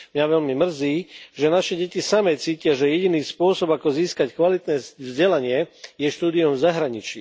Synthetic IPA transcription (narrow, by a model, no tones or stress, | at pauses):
mɲaʋɛʎmimr̩ziːʒɛnaʃɛɟɛcisamɛt͡siːcɪaʒɛjɛɟiniːspʊɔsɔbakɔziːskackʋalit̪nɛːvzɟɛlaɲɪɛjɛʃt̪uːd̪iumvzaɦɾaɲit͡ʃi